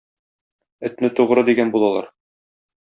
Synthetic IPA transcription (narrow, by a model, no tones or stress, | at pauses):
ɵ̆t̪nɘt̪uʁɾɤd̪iɡænbulˠɑlˠɑ̰ɾ